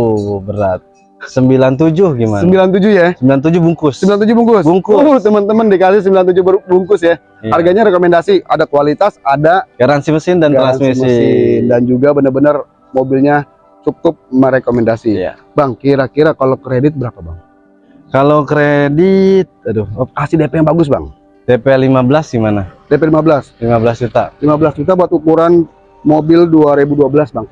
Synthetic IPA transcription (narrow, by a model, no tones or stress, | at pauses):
bəɾat̪̚ | səmbilant̪ud͡ʒʊhɡimasəmbilant̪̬ud͡ʒʊhjasəmbilant̪ud͡ʒʊhbuŋkʊsəmbilant̪ud͡ʒʊhbuŋkʊsbuŋkʊt̪əmənt̪əməndikasɪs̬əmbilant̪ud͡ʒʊhbuŋkʊsja | harɡaɲaɾekomendasiʔa̰dakwalit̪asadaɡaɾansiməsɪndanɡt̪ɾansmismindand͡ʒuɡabənərbənər | mobilɲa | t͡ʃukʊp̚məɾekomɛndasija̰ | baŋkiɾakiɾakalokəɾedɪt̪̚bəɾapabaŋ | kalokɾedit̪̚adukasidepɛjaŋbaɡʊs̬ba̰ŋ | d̥epɛlimabəlasɡimanadepɛlimabəlaslimabəlasd͡ʒut̪alimabəlasd͡ʒut̪̬abuat̪ukuɾan | mobɪlduaɾebuduabəlasbaŋ